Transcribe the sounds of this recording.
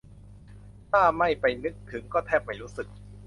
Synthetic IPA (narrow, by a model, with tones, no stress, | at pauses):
t̪ʰaː˥˩ma˥˩jpa˧jnɯ˦˥k̚t̪ʰɯ˩˦ŋkɔː˥˩t̪ʰɛː˥˩p̚ma˥˩jɾuː˦˥sɯ˨˩k̚